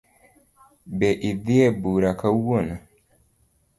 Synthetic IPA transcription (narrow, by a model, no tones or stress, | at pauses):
bɛʔiðiɛbuɾakauwona